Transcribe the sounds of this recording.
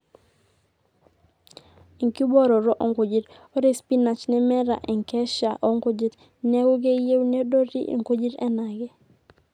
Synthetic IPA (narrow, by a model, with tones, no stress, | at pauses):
i˨ŋki˦bɔ˦ɾɔ˨ɾo˦ʔo˨ŋko˨d͡ʒi˨˦ɾ | o˦ɾe˦spi˦na˨t͡ʃnɛ˦mɛ˦ɾa̰˨ʔɛ˨ŋkɛ˦ʃa˨ʔo˦ŋko˦d͡ʒi˦t | nɛ˦ɡo˦ɡe˦je˦wne˦do˦ɾḭ˦ʔḛ˨ŋko˦d͡ʒi˦ɾɛ˦na˨ɡɛ˦